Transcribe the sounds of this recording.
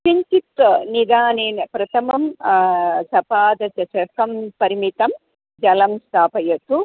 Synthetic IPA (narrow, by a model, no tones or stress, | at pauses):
ʃɐɲt͡ʃit̪ʋɐnid̪aːneːnɐpɾɐt̪ʰɐmɐm | sɐpaːd̪ɐt͡ʃɐt͡ʃɐkɐmpɐɾimit̪ɐm | d͡ʒɐlɐmst̪ʰaːpɐjɐt̪ːu